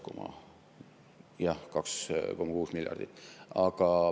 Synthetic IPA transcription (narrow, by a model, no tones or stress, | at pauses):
komɑ̰ | jɑhkɑkskomːɑkuːsmiljɑ̰rd̪it̪ːˑɑɡ̥ɑ